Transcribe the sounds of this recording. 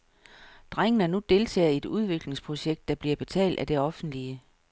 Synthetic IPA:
d̥ʁaŋ̰ənænud̥e̝lt͡sʰɛ̰ːe̝d̥uð̞ˠʋe̝ɡ̥le̝ŋspʰʁo̝ɕeɡ̥̚d̥ːɑ̈b̥liɐb̥e̝t͡sʰɛ̰ːld̥æd̥e̝ɒ̽fn̩d̥liə

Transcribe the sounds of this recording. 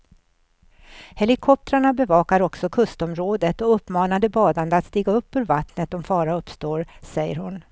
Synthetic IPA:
hɛlɪkʰɔp̚t̪ɾaɳabɛvɑːkaɾɔksɔkʰɵst̪ɔmɾoːd̪ət̪ɔɵpːmɑːnad̪əbɑːd̪and̪əat̪st̪iːɡaɵpːʉ̟ːɾvat̪nət̪ɔmfɑːɾaɵpst̪oːɾsɛjːəɾhʊn

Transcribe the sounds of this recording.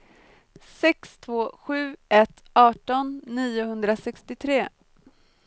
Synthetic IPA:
sɛkst̪ʰvoːɧʉ̟ːʔɛt̪ | ʔɑːʈɔnːiːʊhɵnd̪ɾasɛkst̪ɪt̪ʰɾeː

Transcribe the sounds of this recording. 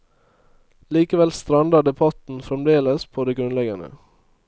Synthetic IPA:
liːkəʋɛlst̪ɾɑnd̪ɑɖɛbʰɑt̪n̩fɾɛmd̪eːləspʰoːd̪eːɡɾʉnlɛɡɑnə̰

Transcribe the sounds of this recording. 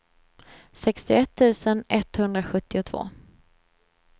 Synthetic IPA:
sɛkst̪ɪɛt̪ʰːʉ̟ːsənʔɛt̪hɵnd̪ɾaɧɵt̪ːɪʊt̪ʰvo̰ː

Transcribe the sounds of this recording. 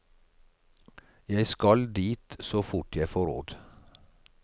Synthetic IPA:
jæɪskɑld̪iːt̪soːfʊʈjæɪfoːɾo̰ːd̪

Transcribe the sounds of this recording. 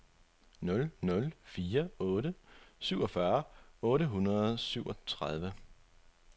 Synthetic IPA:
nɔ̽lnɔ̽lfiːɐɔ̽ːɾəsyʊ̰ɒ̽fɶɐɔ̽ːɾəɦunɐð̩ˠsyʊʔɒ̽t͡sʰʁaðˠʋə

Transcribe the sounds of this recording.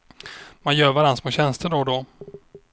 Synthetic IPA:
manjœːɾvaɾansmoːɕɛnst̪əɖɔd̪ɔ

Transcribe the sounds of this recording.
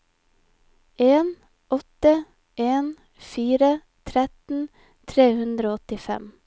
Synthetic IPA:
eːn | ʔɔt̪ə | ʔeːn | fiːɾə | t̪ʰɾɛt̪n̩ | t̪ʰɾeːhʉnd̪ɾoːɔt̪ɪfɛ̰m

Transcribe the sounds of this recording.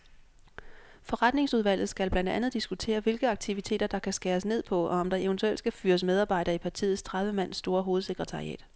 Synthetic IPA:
fɒ̽ʁad̥ne̝ŋsuð̞ˠʋæl̰ð̩ˠsɡ̥ælb̥lænd̥ænð̞̩ˠd̥isɡ̥ut͡sʰe̝̰ːɐʋe̝lɡ̥əɑ̈ɡ̥̚t͡sʰiʋit͡sʰe̝̰ːd̥ɐd̥ɑ̈kʰæsɡ̥æːɐsne̝ð̞̰ˠpʰɒ̽ɒ̽ɒ̽md̥ɑ̈eənt͡sʰuel̰d̥sɡ̥æfyːɐsmeð̞ˠɑ̈ːb̥ɑ̈ɪ̰ɾ̥ɐipʰɑ̈t͡sʰḭːð̩ˠst͡sʰʁɑð̞ˠʋəmæn̰sd̥o̝ːɐɦo̝ːð̞̩ˠse̝ɡ̥ʁət͡sʰɑ̈ʁiɛ̰ːd̥

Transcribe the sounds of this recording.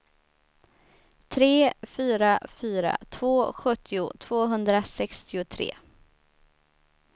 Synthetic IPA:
t̪ʰɾeːfyːɾafyːɾa̰t̪ʰv̥oːɧɵt̪ʰːɪʊt̪ʰv̥oːɦɵnd̪ɾasɛkst̪ɪʊt̪ʰɾḛː

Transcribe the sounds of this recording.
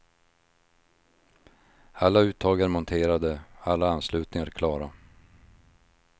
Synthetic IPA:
alːaʉ̟ːt̪ʰːɑːɡaɾmɔnt̪ʰeːɾad̪əalːaanːslʉ̟ːt̪nɪŋaɾkʰlɑːɾa

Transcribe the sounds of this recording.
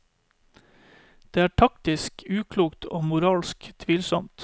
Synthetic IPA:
d̪̥eːæːʈʰɑkt̪ɪskʉːkʰluːkt̪ʰo̰ːmʊɾɑːlskt̪ʰʋiːlsɔmt̪

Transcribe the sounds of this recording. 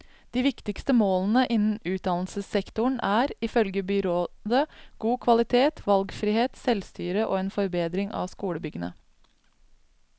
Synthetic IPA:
d̪̥iːʋɪkt̪ɪkst̪əmoːln̩əʔɪnn̩ʉːt̪̚d̪ɑnl̩səsɛkt̪ʊɳæːɾɪfœlɡəbʏɾoːd̪əɡ̥uːkʰʋɑlɪt̪ʰeːt̪ʋɑlɡfɾiːheːt̪sɛlst̪yːɾəʔo̰ːeːnfɔɾbeːd̪ɾɪŋʔɑ̰ʋskuːɽəbʏɡənə̰

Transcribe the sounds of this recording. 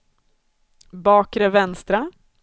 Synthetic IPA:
bɑːkɾəvɛnst̪ɾa

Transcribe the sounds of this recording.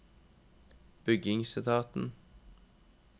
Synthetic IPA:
b̥ʏɡɪŋsɪt̪ʰɑːt̪n̩

